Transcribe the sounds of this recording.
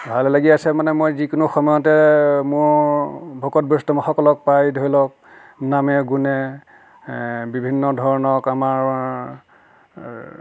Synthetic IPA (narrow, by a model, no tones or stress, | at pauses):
bʱallaɡiasɛmanɛmojzikʊnʊxɔmɔjɔtɛmʊɹbʱokɔt̚bɔstɔmɔxɔkɔlɔk̚pajdʱojlɔk̚ | namɛɡunɛ | bibʱinːɔdʱɔɹnɔkamaɹ